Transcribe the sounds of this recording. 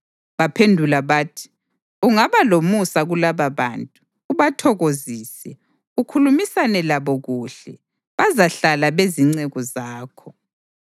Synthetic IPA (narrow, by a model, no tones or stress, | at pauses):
βapʰendʱulaβaːtʰi̥ | uŋaβalomusaɣulaβaβantʼuː | βatʰɔɣoziːsɛ | ukʰulumisanɛlaβɔɣuːɬɛ | βazaɬalaβeziŋ͡ǀɛɣɔzaːkʰɔ